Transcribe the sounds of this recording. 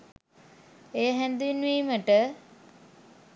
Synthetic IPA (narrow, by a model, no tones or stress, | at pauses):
ejəɦænd̪uinʋiːməʈə